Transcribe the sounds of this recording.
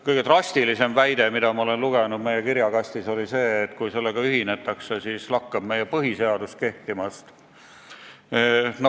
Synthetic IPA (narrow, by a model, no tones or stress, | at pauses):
kɤjɡet̪rɑst̪ilise̞mvæjd̪̥e̞mid̪̥ɑmɑo̞le̞nluɡ̥e̞nud̪̥̚me̞jekiɾjɑɡ̥ɑst̪iso̞lise̞ːt̪ːkujse̞lːeɡ̥ɑyɦine̞t̪ːˑɑksesiːslɑkːɑb̥̚me̞jepɤɦise̞ɑd̪ust̪̚ke̞ht̪imɑst̪ | no